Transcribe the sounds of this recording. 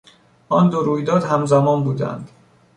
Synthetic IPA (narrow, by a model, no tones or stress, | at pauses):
ʔɒːnd̪oɾuːjd̪ɒːd̪hæmzæmɒːnbuːd̪æ̰nd̪